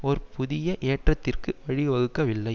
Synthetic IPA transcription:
ɔɾpʊðɪjɐʔeːʈrɐt̪ːɪrkɯʋɐɻɪʋɐɣɯkːɐʋɪlːɐɪ

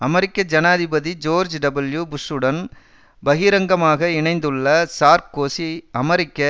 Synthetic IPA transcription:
ɐmɐɾɪkːɐd͡ʒɐnaːðɪbɐðid͡ʒoːɾd͡ʒɖɐbɐljubʊsːɯɽɐn | bɐɣiːɾɐŋɡɐmaːɣɐɪɳɐɪnd̪ɯɭːɐsaːɾkːoːsiɐmɐɾɪkːɐ

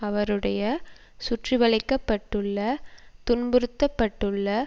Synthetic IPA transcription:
ɐʋɐɾɯɽɐjɐ | sʊʈriʋɐɭɐɪkːɐpːɐʈːɯɭːɐt̪ʊnbɯɾɯt̪ːɐpːɐʈːɯɭːɐ

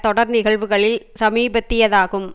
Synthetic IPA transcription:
t̪ɔɽɐɾnɪɣɐɭʋɯɣɐɭɪlsɐmiːbɐt̪ːɪjɐðaːɣɯm

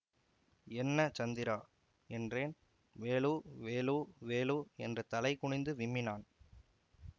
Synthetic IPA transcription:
ɛnːɐt͡ʃɐnd̪ɪɾaː | ɛndreːn | ʋeːluːʋeːloːʋeːloːɛndrɐt̪ɐlɐɪkʊɳɪnd̪ɯʋɪmːɪnaːn

